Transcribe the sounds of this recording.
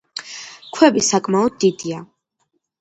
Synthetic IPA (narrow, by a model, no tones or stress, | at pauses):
kʰwɛbisakʼmaɔd̪̚ːid̪ia